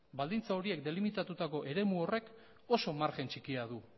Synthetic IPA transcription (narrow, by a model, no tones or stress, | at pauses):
bald̪int͡sao̞ɾie̞k̚d̪e̞limit̪at̪ut̪ako̞ʔe̞ɾe̞muo̞re̞k | o̞so̞maɾxe̞nt͡ʃikiaðu